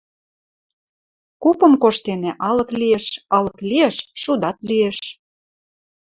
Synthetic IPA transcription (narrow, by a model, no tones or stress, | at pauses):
kupɤ̆mkoʃt̪enĕʔɑlɤ̆klieʃɑlɤklieʃʃud̪ɑt̪lieʃ